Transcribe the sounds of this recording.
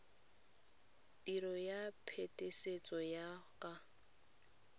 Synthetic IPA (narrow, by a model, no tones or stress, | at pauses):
tʼiɾɔjapʰetʼeset͡sʼɔjakʼa